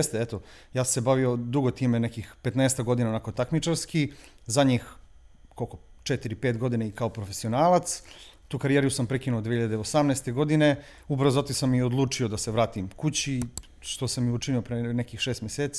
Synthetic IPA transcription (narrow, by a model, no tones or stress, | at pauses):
est̪eet̪o̞jaːssebaʋiod̪uɡo̞t̪iːmenekixpet̪neːst̪aɡo̞d̪inaonako̞t̪akmit͡ʃaɾski | zaɲix | kolkot͡ʃet̪iɾipeːt̪ɡo̞d̪ineikao̞pɾofesio̞naːlˠat̪st̪uːkaɾijeɾijusampɾekinuod̪ehiʎad̪eosamnɛst̪eɡo̞d̪ine | ubɾzot̪isamiod̪lˠuːt͡ʂiod̪aseʋɾaːt̪imkut͡ɕi | ʃt̪o̞samjut͡ʃiniopɾenekixʃeːst̪mjeseːt̪s